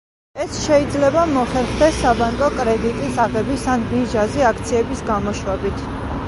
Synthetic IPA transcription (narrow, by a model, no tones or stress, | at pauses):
ɛsʃɛid̪zlɛbamɔχɛɾχd̪ɛsːabaŋkʼɔkʼɾɛd̪it̪ʼisaʁɛbisanbiʒazɛakʰt̪sʰiɛbisɡamɔʃwɛbit̪ʰ